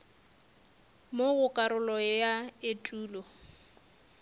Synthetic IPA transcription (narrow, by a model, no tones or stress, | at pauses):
moɣʊkʼaɾʊlɔjaɪtʼuːlɔ